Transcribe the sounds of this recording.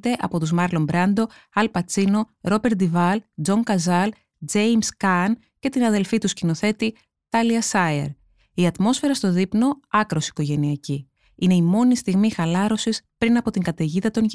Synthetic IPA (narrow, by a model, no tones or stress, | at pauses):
t̪e̞ʔɐpo̞t̪uzmɐɾlo̞mbɾɐnd̪o̞ɐlpɐt͡sino̞ɾo̞be̞ɾt̪d̪ivɐld͡zo̞ŋkɐzɐl | d͡zejmskɐn | ce̞t̪inɐðe̞lfit̪uscino̞θe̞t̪i | t̪ɐliɐsɐḛɾ | iɐt̪mo̞sfe̞ɾɐst̪o̞ðipno̞ɐkɾo̞si̥ko̞ʝe̞niɐci | ine̞imo̞nist̪iɣmixɐlɐɾo̞sispɾinɐpo̞t̪iŋɡɐt̪e̞ʝiðɐt̪o̞nʝ